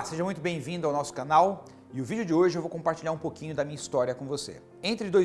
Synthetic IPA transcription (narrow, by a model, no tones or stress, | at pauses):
seʒɐmũj̃t̪ʊbẽj̃vĩnd̪ʊawnɔsʊ̥kɐnaw | ɪʊvid͡ʒʊd͡ʒɪoʒɪewvowkõmpaɾt͡ʃilʎaɾũpokĩɲʊd̪ɐmĩɲɐist̪ɔɾiɐkõvosḛ | ẽnt̪ɾɪd̪oj